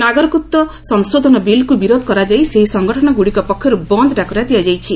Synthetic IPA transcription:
naɡɔɾɔkut̪ːɔsɔŋsod̪ʱɔnɔbilkubiɾod̪ʱɔ̥kɔɾad͡ʒajseɦisɔŋɡɔʈʰɔnɔɡuɽikɔpɔkʰjɔɾubɔnd̪ʱɔɖakɔɾad̪ijad͡ʒajt͡ʃʰi

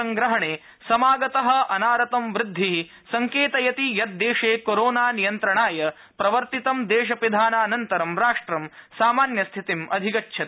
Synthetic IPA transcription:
ɐŋɡɾɐɦɐɳeː | sɐmaːɡɐt̪ɐɦɐ̆ɐnaːɾɐt̪ɐmʋɾɪd̪ʱːiɦi | sɐŋkeːt̪ɐjɐt̪ijɐt̪̚d̪eːʂeːkoɾoːnaːnijɐnt̪ɾɐɳaːjɐ | pɾɐʋɐɾt̪it̪ɐmd̪eːʂ̬ɐpid̪ʱaːnaːnɐnt̪ɐɾɐmɾaːʂʈɾɐmsaːmaːnjɐst̪ʰit̪imʔɐd̪ʱikɐtːʃʰɐt̪

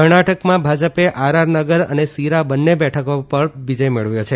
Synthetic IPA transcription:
əɾɳaʈəkmãbʱad͡ʒəpeʔaɾaɾnəɡəɾə̰nesiɾabənːebɛʈʰəkopəɾʋid͡ʒəjmeɭʋjot͡ʃʰe

